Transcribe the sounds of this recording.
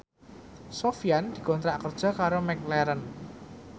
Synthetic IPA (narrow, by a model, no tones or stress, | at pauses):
sofijand̪̥i̤kɔnt̪ɾaʔkərd̥ʒ̥ɔ̤kaɾomɛklɛɾən